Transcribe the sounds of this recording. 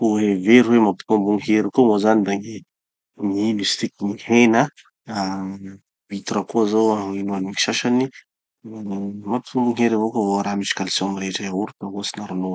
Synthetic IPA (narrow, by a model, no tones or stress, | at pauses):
oɦeveɾiwemapi̥t̪umbuŋɦeɾikomozanid̪aŋe | ŋiimist̪ikinihena | a | bit̪uɾakozoaŋinoaniŋi̥ʃaʃani | mapi̥t̪umbuŋeɾivokovoaɾamit͡ʃi̥kalisiɔamiɾeʈ͡ʂaauɾut̪aɦosinaɾuno